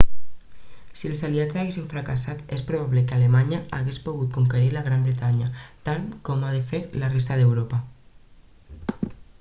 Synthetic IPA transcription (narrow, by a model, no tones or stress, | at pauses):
sielzaliad͡zzaɣesiɱfɾakasat̪espɾoβ̞aβlekalemaɲaaɣespoɣ̞ut̪̚kuŋkeɾiɾlaɣɾambɾet̪aɲat̪alkomaðefeɾlares̬t̪aðewɾopa